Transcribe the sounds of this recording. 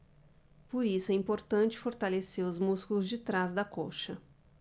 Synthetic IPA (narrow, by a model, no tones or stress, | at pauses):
poɾisʊɛĩpoɾt̪ɐ̃t͡ʃɪ̥foɾt̪aleseɾʊzmuskulʊzd͡ʒɪt̪ɾazd̪ɐkoʃɐ